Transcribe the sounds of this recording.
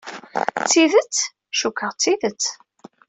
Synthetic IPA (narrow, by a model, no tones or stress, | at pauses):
t͡sːiðət͡sː | ʃukːəʁt͡sːiðət͡sː